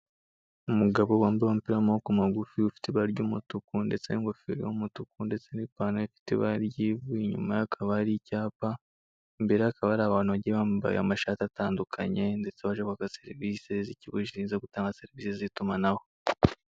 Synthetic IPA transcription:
umuɡaβowaːmbeamupiɾamahokumaɡufiufi̥teβaɾɟuːmutukunde̞t͡seniŋɡofiɾomutukunde̞t͡senipaːnaafi̥tḛβaɾɟiβuiɲṵmajakʰaβaɾicaːpa | mbe̞ɾeakaβaɾaβaːnuβaɟiβamba̰j̰a̰maʃatataːndukʰa̰ɲe̞nde̞t͡seβaʒaβakase̞ɾiviseziciβuʃiʃiːnzeɡutaːŋɡase̞ɾiviːsezitumanaho̞

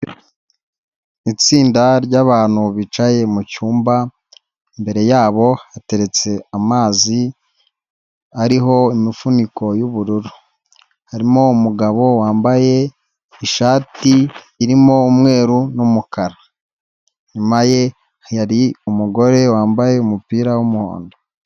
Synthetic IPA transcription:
it͡siːndaɾɟaːβaːn̥huβit͡ʃaje̞mucuːmba | imbe̞ɾe̞jaːβo̞ate̞ɾe̞t͡se̞amaːzi | aɾiɦo̞imifuniko̞juβuɾuɾu | haɾimo̞umuɡaβo̞waːmbaje̞ | iʃaːtiː | ɾimo̞umŋe̞ːɾunumukaɾa | ɲumaje̞ | jaɾiumuɡo̞ɾe̞waːmbaje̞umupiːɾawumuho̰ːndo

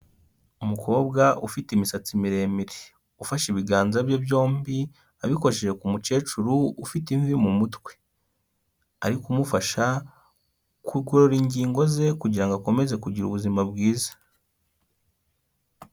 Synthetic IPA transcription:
umukʰo̞ːbɡaʔufitimisat͡simiɾe̞ːmiɾe̥ | ufaʃiβiɡaːnzabjobjo̞ːmbi | aβikoʃeʒe̞kumut͡ʃe̞ːt͡ʃuɾuːfitiɱvimumutwe̞̥ | aɾikumufaʃa | kuɡoɾoɾiɲɟiːŋɡo̞ze̞kuɟiɾaŋɡako̞me̞ze̞kuɟiɾṵβuzimabɡiːzḁ

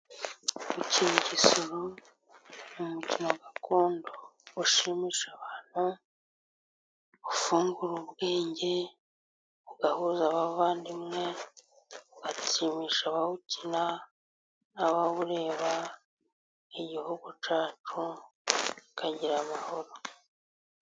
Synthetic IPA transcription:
ucicisuɾu | mumucinoɡakoːndoβuʃimiːʃaβaːn̥hu | βufuːŋɡuɾuβɡeːɲɟe̞ | uɡahuzaβaββaːndimŋe̞ | uɡat͡simiːʃaβaβucina | aβaβuɾe̞ːβa | iɟihuɡut͡ʃaːt͡ʃu | kʰaɟiɾamaho̞ɾo̞

